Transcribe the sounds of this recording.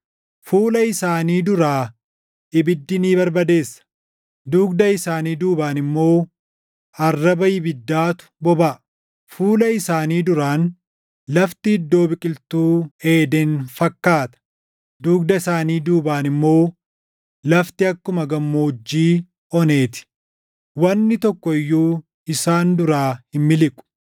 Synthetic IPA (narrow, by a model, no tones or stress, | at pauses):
fuːlɐɪsaːniːd̪ʊɾaː | ʔɪbɪd̪ːɪniːbɐɾbɐd̪e̞ːsːɐ̥ | d̪uːɡd̪ɐɪsaːniːd̪uːbaːnɪmːo̞ː | ɐrːɐbɐjɪbɪd̪ːaːt̪ʊ̥bɔba | fuːlɐɪsaːniːd̪ʊɾaːn | lɐft̪ɪɪd̪ːo̞ːbɪkʼɪlt̪uːe̞ːd̪ɛnfɐkːaːt̪ɐ̥ | d̪uːɡd̪ɐɪsaːniːd̪uːbaːnɪmːo̞ː | lɐft̪ɪɐkːʊmɐɡɐmːoːd͡ʒːiː | ɔne̞ːt̪ɪ̥ | wɐnːɪt̪ɔkːɔɪjːuː | ɪsaːnd̪ʊɾaːhɪmːɪlɪkʼʊ̥